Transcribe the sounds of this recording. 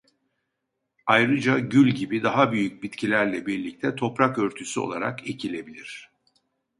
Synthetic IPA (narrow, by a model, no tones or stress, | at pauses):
ajɾɯd͡ʒaɟylʲɟibid̪aɦabyjyc̚bit̪cʰilʲæɾlʲɛbiɾlʲic̚t̪ʰɛt̪ʰo̞pɾakøɾt̪ʰysyo̞̰lˠa̰ɾa̰ke̞cʰilʲe̞bilʲiɾ̝̥